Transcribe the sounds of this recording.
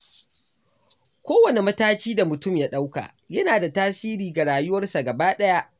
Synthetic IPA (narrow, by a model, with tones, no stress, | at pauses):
kʷoː˦wɐ˨ne˨mɐ˦taː˦kʲiː˦da˨mʊ˨tʊ˦mjaː˦ɗa˦wka̰˨ | jɐ˦naː˨da˨taː˦siː˦ɾiː˨ɡa˨ɽaː˨jʊ˦wɐ˦rsa˨ɡɐ˨baː˦ɗɐ˦ja˦ʔ